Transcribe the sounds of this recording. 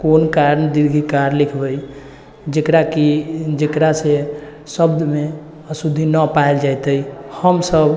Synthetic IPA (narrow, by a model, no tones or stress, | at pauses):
konkaɾnd̪iɾɡʱikaɾlikʰbəj | d͡ʒekɾakid͡ʒekɾase | səbd̪ʱme | əsud̪ʱːinəpaeld͡ʒajt̪əjhəmsəb